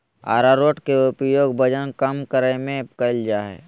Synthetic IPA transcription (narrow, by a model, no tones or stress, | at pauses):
a̰ːɾaːɾoːʈkeʊpjoːɡ̚bəd͡ʒənkəmkəɾəmẽkəld͡ʒaːɦɛ̰ː